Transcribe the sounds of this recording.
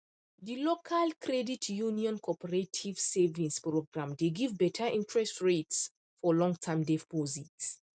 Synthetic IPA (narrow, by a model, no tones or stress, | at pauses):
dilokʰalkʰɾɛditʰjuniɔ̃nkʰɔpʰəɹetʰiv̥sevĩŋspɹoɡɹãmdeɡivbɛtʰaʔĩntʰɹɛstɹets | fɔlɔ̃ŋɡtʰamdɛfpɔzit